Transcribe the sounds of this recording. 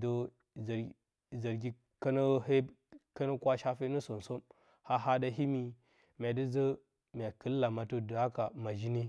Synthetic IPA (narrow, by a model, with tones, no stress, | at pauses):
də˦ | z | zə˨ɾɡʲi˦ | ka˦nə˦ɦe˦ | ka˦nə˦kwa˦ʃa˦fe˦nə˦so˨n˨so˦m | ha˦ɦa˦da˦ɦi˦mi˨ | m˨a˨də˦zə˦ | m˨a˨kə˦lːa˨ma˨to˦də˨a˦ka˨ma˨d͡ʒi˦ni˦